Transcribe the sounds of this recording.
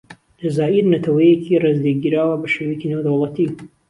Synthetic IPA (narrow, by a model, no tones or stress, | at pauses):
lɐzaːʔiɾnɐt̪ʰɐwɐjecʰirezd̪eɡiːɾaːwɐbɐʃewecinewd̪ɐwlˠɐt̪i